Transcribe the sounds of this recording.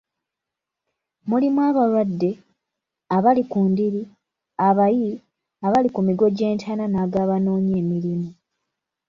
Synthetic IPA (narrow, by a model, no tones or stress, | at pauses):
mulimwaːβalwadːe̞ | aβalikuːndiɾi | aβaji | aβalikumiɡo̞ɟe̞ːntʰananaːɡaːβano̞ːɲe̞ːmilimu